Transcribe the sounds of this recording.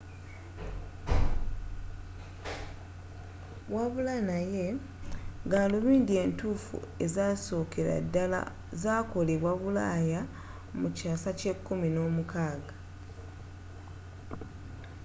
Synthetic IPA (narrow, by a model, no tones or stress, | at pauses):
waβulanaje̞ | ɡaːluβiːndie̞ːntuːfṵe̞zaso̞ːke̞ɾa̰dːala̰ | zaːko̞le̞βwaβulaːja | mucaːsace̞kːumino̞ːmukaːɡa